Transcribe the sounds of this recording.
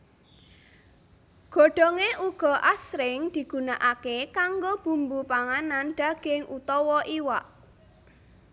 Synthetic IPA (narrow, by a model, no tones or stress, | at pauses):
ɡ̥o̤ɖ̥ɔ̤ŋeʔuɡ̥ɔ̤ʔasɾɪŋd̪̥i̤ɡ̥ṳnaʔakekaŋɡob̥ṳmbupaŋananɖ̪̥a̤ɡ̥ɪŋʔut̪ɔwɔʔiwaʔ